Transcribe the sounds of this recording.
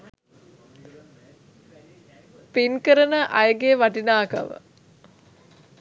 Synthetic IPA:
pinkəɾənəʔɐjəɡeəʋaʈinaːkɐ̰ʋə̰

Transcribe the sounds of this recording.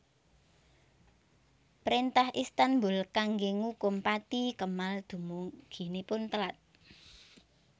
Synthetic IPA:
pəɾint̪ahʔist̪anbʊlkaŋɡeŋukʊmpat̪ikəmald̪̥ṳmuŋɡ̥i̤nipʊnt̪əlat̪̚

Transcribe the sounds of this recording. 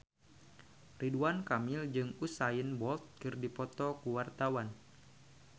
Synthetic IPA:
riduankamɪld͡ʒɨŋusajənbɔlt̪̚kɨrdipɔt̪ɔkuwart̪awan

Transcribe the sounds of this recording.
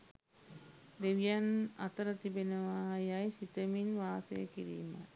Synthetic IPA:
d̪eʋijanɐ̰t̪ɐɾət̪ibenɐʋaːɦɐjajsit̪əminʋaːsɐ̰jə̰kiɾḭːmɐ̰

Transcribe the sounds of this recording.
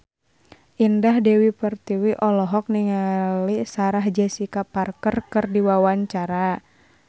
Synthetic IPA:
ʔindahdɛwipərt̪iwiʔɔlɔɦɔk̚niŋalisaɾaɦd͡ʒɛsikaparkərkɨrdiwawaɲt͡ʃaɾa

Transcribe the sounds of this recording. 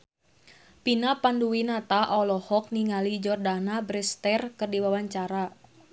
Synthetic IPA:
pinapanduwinat̪aʔɔlɔhɔk̚niŋalid͡ʒɔrdanabɾɛst̪ɛrkɨrdiwawaɲt͡ʃaɾa

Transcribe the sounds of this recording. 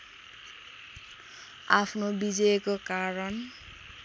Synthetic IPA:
apʰnobid͡zʌekokaɾʌn

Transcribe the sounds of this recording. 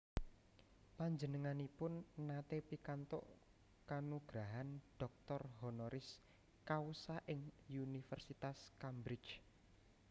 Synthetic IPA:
paɲd͡ʒənəŋanipʊnːat̪epikant̪ɔ̰ʔ | kanuɡ̥ɾaɦanɖ̥ɔk̚t̪ɔrɦɔnɔɾʔɪs | kausaʔɪŋunifərsit̪askambɾɪt͡ʃ

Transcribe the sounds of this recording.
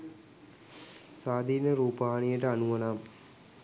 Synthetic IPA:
saːd̪ʱiːnəɾuːpaːnijəʈəanuʋɐnaːm

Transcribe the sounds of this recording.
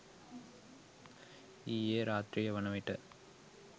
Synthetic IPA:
ijeːɾaːt̪ɾijɐʋɐnɐʋɐʈːɐ

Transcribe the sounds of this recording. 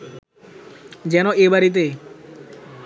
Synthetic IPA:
d͡ʑɛnoebaɾit̪̬e

